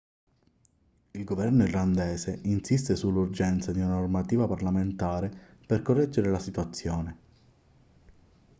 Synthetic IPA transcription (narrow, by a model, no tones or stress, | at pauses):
ilɡovɛrnoirland̪ɛːseʔinsist̪esulːurd͡ʒɛnt̪sad̪iunanormat̪iːvaparlament̪aːɾeperkorːɛd͡ʒːeɾelasit̪wat̪sːjoːne